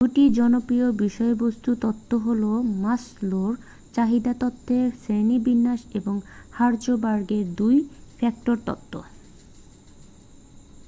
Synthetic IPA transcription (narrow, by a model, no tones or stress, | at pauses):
d̪uʈid͡ʑɔnopɾiobiʃɔebost̪ut̪ɔt̪ʰːoɦolomasloɾ | t͡ɕaɦid̪at̪ɔt̪ʰːesenibinːaʃeboŋhaɾd͡ʑobaɾɡeɾd̪ujfʰɛk̚ʈoɾt̪ɔ̰t̪ʰːo̰